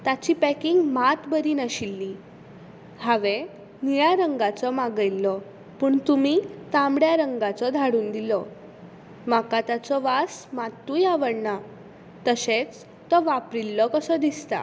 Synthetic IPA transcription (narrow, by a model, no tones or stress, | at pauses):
t̪at͡ɕiːpɛkiŋɡmat̪bəɾiːnaɕilːi | haʋe | niɭaɾəŋɡat͡sɔmaɡəjlːɔ | puːɳt̪umit̪ãmɽjaɾəŋɡat͡sɔd̪ʱaɽuːnd̪ilɔ | makat̪at͡sɔʋasmat̪ːujaʋəɽɳa | t̪əset͡s | t̪ɔʋapɾilːɔkəsɔd̪ist̪a̰